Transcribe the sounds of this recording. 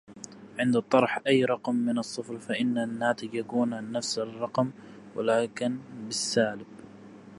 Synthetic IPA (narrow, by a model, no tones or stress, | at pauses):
ʕɪnd̪t̪ˤːɑɾˤħʔajːɾˤɑqmːɪnɨsˤːɨfɾfaʔɪnːanːaːt̪ɪɡjaɡuːnanːafsɪrˤːɑqm | wa̰laːkɪnbɪsːaːlɪb̚